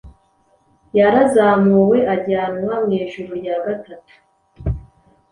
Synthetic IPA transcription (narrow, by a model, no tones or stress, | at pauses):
jaɾazaːmuwe̞ʔaɟaːnwamŋeːʒuɾojaɡatatu̥